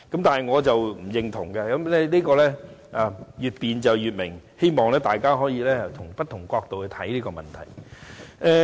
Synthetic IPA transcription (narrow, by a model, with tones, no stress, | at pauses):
kɐ˨˥mt̪aː˨nɦɐ˨˩jŋɔː˨˧t͡sɐ˨wm̩˨˩jɪ˨ŋt̪ʰʊ˨˩ŋkɐ˧kɐ˨˥mlɛ˥liː˥kɔː˧lɛː˥aː˨˧jyː˨t̚piː˨nt͡sɐ˨wjyː˨t̚mɪ˨˩ŋhe˥jmɔː˨˩ŋlɛː˥t̪aː˨jkaː˥ɦɔː˨˥jiː˧lɛː˥ɐ˨t̪ʰʊ˨˩ŋpɐ˥t̪̚ʰːʊ˨˩ŋkʷɔː˧k̚t̪o˨whɵ˧t̪ʰɐ˨˥jliː˥kɔː˧mɐ̰˨nt̪ʰɐ̰˨˩j | ɛː˧